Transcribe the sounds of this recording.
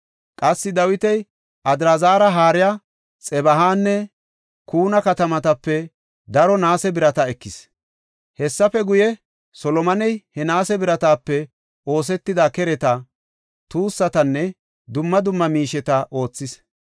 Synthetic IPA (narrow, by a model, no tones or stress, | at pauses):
kʼɐsːɪd̪ɐwɪt̪ɛj | ʔɐd̪ɾazaːɾɐɦaːɾɪjaː | t͡sʼɛbɐɦaːnːɛ | kuːnɐkɐt̪ɐmɐt̪ɐpːɛ | d̪ɐɾɔnaːsɛbɪɾɐt̪ɐɛkːɪs | hɛsːɐfɛɡʊjɛ | sɔlɔmɐnɛjhɛnaːsɛbɪɾɐt̪aːpːɛ | o̞ːs̬ɛt̪ːɪd̪akɛɾɛt̪ɐ | t̪uːsːɐt̪ɐnːɛ | d̪ʊmːɐd̪ʊmːɐmiːʃɛt̪ɐʔo̞ːt͡sːɪs